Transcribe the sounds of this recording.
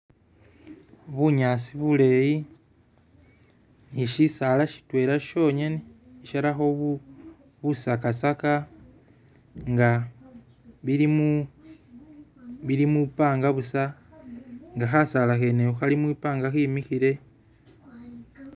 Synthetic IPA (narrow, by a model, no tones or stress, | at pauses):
βuɲaːsiβule̞ji | niʃisalaʃi̥twe̞ːɾaʃo̞ɲeni | iʃaɾaxo̞β | βusakasaka | ŋɡa | βiɾimu | βiɾimupaːŋɡaβusa | ŋɡaxasalaxeneuxalimwiːpaːŋɡaximixiɾe̞